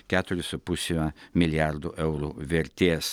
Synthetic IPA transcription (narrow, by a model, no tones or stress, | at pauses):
kat̪ʊɾɪsupusimɐmiljaɾd̪ʊʔewɾʊveɾt̪es